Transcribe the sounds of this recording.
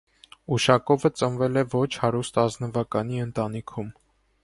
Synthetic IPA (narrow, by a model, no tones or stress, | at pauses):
uʃɑkɔvət͡sənvɛlɛvɔt͡ʃʰhɑɾust̪ɑznəvɑkɑn̪iənt̪ɑnikʰum